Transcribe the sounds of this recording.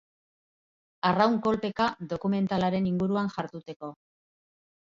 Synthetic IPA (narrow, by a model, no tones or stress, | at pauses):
arawŋko̞lpe̞kad̪o̞kume̞nt̪alaɾe̞niŋɡuɾuanʝaɾt̪ut̪e̞ko̞